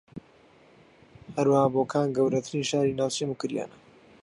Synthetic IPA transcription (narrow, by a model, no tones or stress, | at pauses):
hɐɾwahaːboːkʰaːnɡɐwɾɐt̪ʰɨɾiːnʃaːɾiːnaːwt͡ʃemukɨɾja̰ːnɐ